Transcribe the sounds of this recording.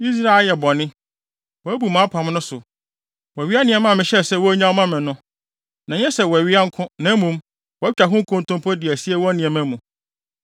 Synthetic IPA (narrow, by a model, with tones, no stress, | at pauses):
i˦s̬ɾa˦e˨ljɛ˨bɔ˨nɪ̃˦ | wɔ˨æ˦bu˨mã˨˦pʰã˨mnʊ̃˦sʊ˨ | wɔ˨ɥi˦a˦nɪ̃˨ɛ˨mã˦˨mɪ̃˨ɕɛ˦˨sɛ˦˨wɔ˦æ˦ɲã˦wɔ˦mã˦mɪ̃˨nʊ̃˦ | nã˨ɲɛ̃˦sɛ˨wɔ˨æ˨ɥi˦a˦ŋ̩˦kʰʊ̃˦nã˨˦mũ˦m | wɔ˨˦t͡ɕᶣa˨ɦʊ̃˦ŋ˦kʰʊ̃˦n̩˨tʰʊ̃˦m˦pʰɔ˦dɪ˨æ˨si˦ɛ˦wɔ˦nĩ˨ɛ˨mæ̃˦mũ˨